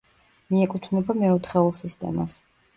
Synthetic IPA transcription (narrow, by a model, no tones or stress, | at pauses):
miɛkʼut̪ʰnɛbamɛɔt̪ʰχɛulˠsist̪ʼɛ̰ma̰s